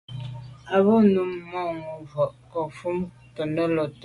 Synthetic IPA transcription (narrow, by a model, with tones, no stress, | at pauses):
a˨βɔ˦nu˨mːɔ˦˨ŋu˨vɔ˨ʔkɔ˨fu˦m | pə˨nə˦lɔ˨t